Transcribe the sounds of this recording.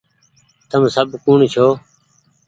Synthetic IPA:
t̪əmsəbʱkuːɳt͡ʃʰoː

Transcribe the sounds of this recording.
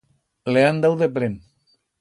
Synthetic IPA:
leand̪awðepɾen

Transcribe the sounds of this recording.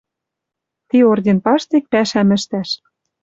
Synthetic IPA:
t̪iordʲenpɑʃt̪ek̚pæʃæmɘ̆ʃt̪æʃ

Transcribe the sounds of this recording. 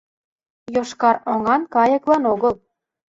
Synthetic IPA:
joʃkɑɾoŋɑnkɑjɤ̆klɑnoɣəl

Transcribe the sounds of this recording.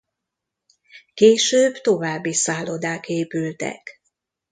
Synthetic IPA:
keːʃøːbt̪o̞vaːbːisaːlːod̪aːkeːpylt̪ɛ̰k

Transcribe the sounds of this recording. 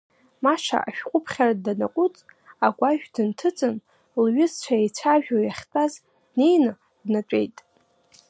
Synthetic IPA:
maʂa̰ʔa̰ʃᶣqʷʼʊpʰχʲaradanaqʷʼʊt͡sʼaɡʷaʒᶣdɨntʰɨt͡sʼɨn | lɥɪzt͡ɕʷʰaejt͡sʷʰaʒᶣojaχʲtʼaz | dne̞jnɨ | dnat͡ʃʷʼe̞̰jtʼ

